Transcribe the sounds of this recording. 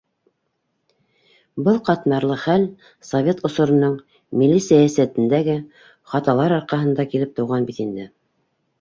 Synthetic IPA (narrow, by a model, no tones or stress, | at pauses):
bɤlˠqɑt̪mɑɾlˠɤχæl | sovʲet̪ŏsŏɾɤ̆nɤɴ | milːisæjæsæt̪ɘ̆nd̪æɡɘ | χɑt̪ɑlˠɑɾɑɾqɑɦɤ̆nd̪ɑkilɘp̚t̪ŏwʁɑnbit̪ind̪ɘ